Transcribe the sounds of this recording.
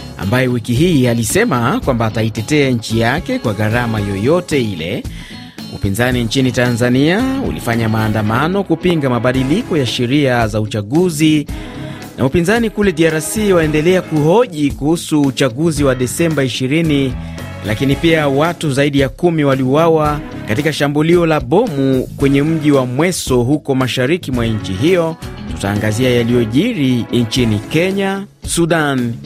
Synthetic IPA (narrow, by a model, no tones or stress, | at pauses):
a̰mbajɛwikiɦiːalisɛmakwambaːtaitɛtɛaɲ̩t͡ʃijakɛkwaɣaɾamajɔjɔtɛilɛ̰ | ṵpinzaniɲt͡ʃinitanzaniaṵlḭfaɲamaːndamanɔkupiŋɡamaɓaɗilikɔjaʃɛɾiazaut͡ʃaɠuzi | nʔa̰upinzanikulɛɗiaɾasiwaɛndɛlɛakuhɔʄikuhusuːt͡ʃaɠuziwaɗɛsɛmbaiʃiɾini | lakinipiawatuzaiɗijakumiwaliuwawa | katikaʃambuliɔlaɓɔmukwɛɲɛm̩ʄiwamwɛsɔɦukɔmaʃaɾikimwaɲt͡ʃiɦijɔ | tuta̰ːŋɡaziajalijɔʄiɾint͡ʃinikɛɲasuɗan